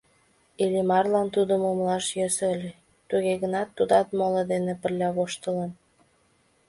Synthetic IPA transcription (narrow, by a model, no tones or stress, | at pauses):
ilimɑrlɑnt̪ud̪əmumlɑʃjøsəlʲe | t̪uɣeɣənɑt̪ːud̪ɑt̪moled̪enepərlʲɑβoʃt̪əlen